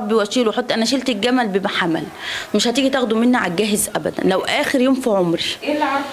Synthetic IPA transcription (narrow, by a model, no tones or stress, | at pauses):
ɑbːiwæʃiːlweħot̪ˤːʔænæʃ̬elt̪eɡæmælbemaħamæ̰lmeʃhæt̪iːɡit̪æɣd̪umenːæʕaɡæːɦezʔæbæ̰d̪æ̰nlæwʔæːxeɾjoːmfiʕomɾi